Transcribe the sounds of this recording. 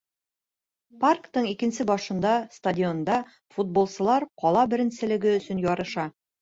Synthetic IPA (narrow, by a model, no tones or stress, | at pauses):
parkt̪ɤɴikɘ̆nsɘbɒʃɤ̆nd̪ɑst̪adʲio̞nd̪ɑ | fud̪̚bolˠsɤ̆lˠɑɾqɒlˠɑbɘ̆ɾɘ̆nsɘ̆lɘ̆ɡɘɵ̆sɵnjɒɾɤ̆ʃɑ